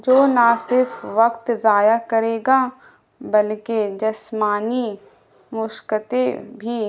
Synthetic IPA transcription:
d͡ʒoːnasɪɾfʋɐkt̪zaːjakɐɾeːɡa | bɐlked͡ʒɐsmaːni | mʊʃkət̪ebʱi

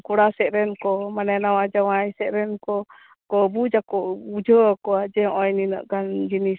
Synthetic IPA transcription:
kɔɽasɛʔɾɛnkɔmanɛnawad͡ʒawajsɛʔɾɛnkɔ | kɔbud͡ʒakɔʔud͡ʒʱəakɔad͡ʒɛɔjninə̰ʔkand͡ʒini

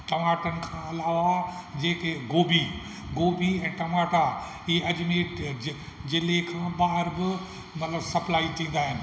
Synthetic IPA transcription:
ʈɐmaːʈənɪ̆kʰãːɐlaːʋad͡ʑeːkeɡoːbʱi | ɡoːbʱiɛ̃ːʈɐmaːʈaɦiɐd͡ʑmeːʈ | d͡ʑɪlekʰãːbaːɦɪɾbɪ | mɐt̪ləbsɐplaːit̪ĩːn̆d̪aːɦɪnɪ̆

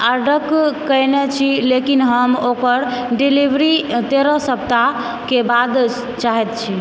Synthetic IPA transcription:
aɖəkkːəɦnɛt͡ʃʰilekinɦəmokəɾɖilibʱɾit̪eɾəsəp̚t̪a | kebad̪ | t͡ʃaɦɛt̪̚t͡ʃʰi

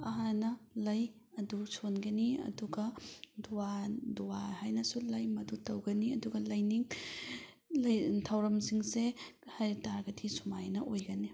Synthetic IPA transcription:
ɐɦanɐlɐj | ɐdusʰonɡɐniɐ̰duɡɐduwaduwahajnɐsulɐjmɐdutɐwɡɐniɐduɡɐlɐjniŋ | lɐjtʰawɾɐmsiŋsehaɾtaɾɡɐdʰisumajnɐʔojɡɐni

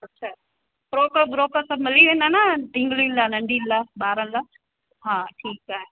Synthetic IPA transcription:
ɐtːɕʰaː | bɾoːkəbɾoːkəsɐbmɪliʋẽːnd̪aːnaɖʱɪ̃ŋɡlinlaːnɐ̃ɳɖʱiːnlaːɓaːɾənlaː | ɦaːʈʰiːkːaːɦe

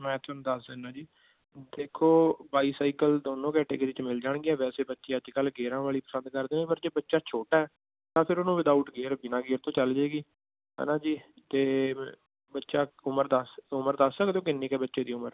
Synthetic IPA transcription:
mɛ̃ːt̪ʰːnũːd̪əsd̪ɪnãːd͡ʒiː | d̪eːkʰoːbaːiːsaːikəld̪oːnõːkɛːʈeːkːdɪt͡ʃmɪld͡ʒaːɳɡiːɛːʋɛːseːbətːʃeːəd͡ʒkəlɡeːɾãːʋaːɭiːpəsə̃nd̪̚kəɾd̪eːẽːpəɾd͡ʒeːbətːʃaːt͡ʃʰoːʈaːɛː | t̪ãːpʰɪɾonũːʋɪd̪aːuːʈɡeːɾbɪnãːɡeːɾt̪õːt͡ʃəld͡ʒeːɡiː | ɦɛ̰ːnãːd͡ʒiː | t̪eː | bətːʃaːʊməɾd̪əsʊməɾd̪əssəkt̪õːkɪnːiːkɛːbətːʃeːd̪iːʊməɾ

